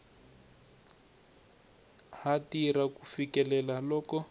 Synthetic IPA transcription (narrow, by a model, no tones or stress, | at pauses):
hatirakufikɛlɛlalɔːkɔ